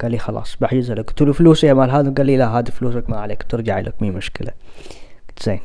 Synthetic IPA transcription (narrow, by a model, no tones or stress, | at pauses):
ɡ̥aːlːixɑlɑ̰ːsˤbaħd͡ʒɪzalakt̪uːlufluːsihamalɦaːd̪iɡaːlːilaɦaːd̪ifluːs̬akmaʕaleːkt̪ɪɾˤd͡ʒaʕḭla̰kmimʊʃkɪla̰̥ | t̪z̥eːn